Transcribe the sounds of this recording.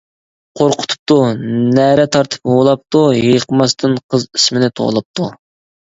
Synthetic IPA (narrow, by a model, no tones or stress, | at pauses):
qʰoɾqʰʊ̥t̪ʰu̥p̚t̪unæɾɛt̪ʰɑɾt̪ʰɨ̥polˠɑp̚t̪ujejqəmɑst̪ʰɨnqʰəzi̥smɪnɪt̪ʰo̰ʁlˠɨp̚t̪ʰu